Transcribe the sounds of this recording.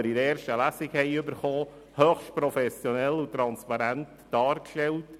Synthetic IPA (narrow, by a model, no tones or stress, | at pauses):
əɾiɾɛːɾʃtəlæsɪkhɛɪʏbəɾχoː | høχʃt̚pɾɔfɛsjɔnɛlut̪ɾɑnspɑɾænt | d̥ɑːɾkʃtɛlt